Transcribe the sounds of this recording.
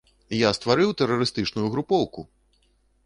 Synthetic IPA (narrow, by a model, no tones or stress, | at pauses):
jast̪vaɾɨwt̪ɛrːɐɾɨst̪ɨt͡ʂnujuɣɾupɔwku